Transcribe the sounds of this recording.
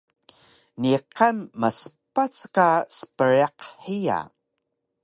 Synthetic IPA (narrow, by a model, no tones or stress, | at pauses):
niqamːasə̥pat͡skasə̥pəɾaqħija̰